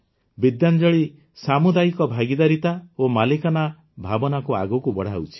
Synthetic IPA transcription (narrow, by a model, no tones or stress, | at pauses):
bid̪jand͡ʒɔɭi | samud̪ajikɔbʱaɡid̪aɾit̪aomalikɔna | bʱabɔnakua̰ɡukubɔɽ̤aut͡ʃʰi̥